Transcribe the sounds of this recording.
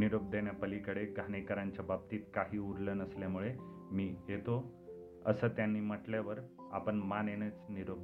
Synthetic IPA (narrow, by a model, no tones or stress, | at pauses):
niɾob̚d̪eɳjapəlikəɽeɡʱanekəɾaɲt͡ɕjabab̚t̪iːt̪kaɦiːuɾlənəsljamuɭe | miːjet̪o | ə̰səːt̪janːiːməʈljaʋəɾ | a̰pəɳmaneñet͡sniɾob̪̚